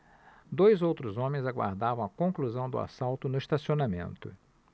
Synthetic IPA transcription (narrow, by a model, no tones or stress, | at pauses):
d̪ojzowt̪ɾʊzõmẽj̃zaɡwa̰ɾd̪avɐ̃w̃ɐkõŋkluzɐ̃w̃d̪ʊ̰a̰sawt̪ʊnʊist̪asionamḛ̃nt̪ʊ̰